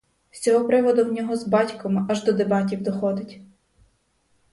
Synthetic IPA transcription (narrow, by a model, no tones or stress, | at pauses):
sʲɔɦɔpɾɪʋɔd̪ʊwnʲɔɦɔzbɑtʲkɔmʔɐʒd̪ɔd̪ebɑtʲiwd̪ɔxɔd̪ɪtʲ